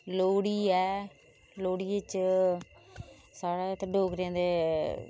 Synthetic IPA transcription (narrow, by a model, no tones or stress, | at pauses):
loːɽiːɛː | loːɽiːɪt͡ʃ | saːɽeːt̪əɖoːkɾẽːnd̪eː